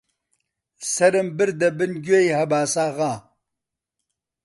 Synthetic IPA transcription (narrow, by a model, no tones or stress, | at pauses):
sɐɾɨmbɨɾd̪ɐbɨnɡʲejhɐbaːsaːʁaː